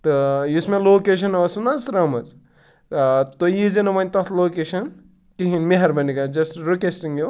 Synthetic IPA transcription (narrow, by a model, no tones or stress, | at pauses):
t̪ɨjusmeloːkeʃ̬ɐnɐɐsunɐsɾɐmɐt͡s | t̪ojizenɐʋɐnʲt̪ɐt̪ʰloːkeʃɐn | kiɦinmeɦɐɾbɐnikɐd͡ʒɐsɾokesiŋo